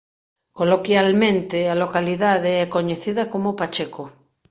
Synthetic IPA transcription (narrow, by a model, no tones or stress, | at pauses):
kolokjalmẽnt̪ealokaliðaðeɛkoɲeθiðakomopat͡ʃeko